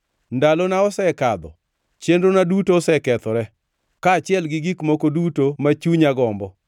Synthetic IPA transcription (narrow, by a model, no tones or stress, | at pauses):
ndalonaɔsɛkad̪ɔ̰ | t͡ʃenɾonadutoːsɛkɛt̪ɔɾɛ | kat͡ʃɪɛlɡɪɡikmokodutomat͡ʃuɲaɡɔmbɔ